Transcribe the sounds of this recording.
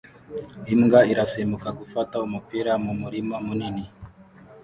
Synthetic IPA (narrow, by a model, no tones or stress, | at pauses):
imŋɡaiɾasimukakufataumupiɾamumuɾimamunini